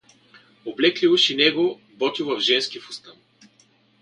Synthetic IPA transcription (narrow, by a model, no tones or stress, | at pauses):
oblɛklʲivoʃinɛɡo | bɔt̪ʲivɐvʒɛnskʲifʊst̪ən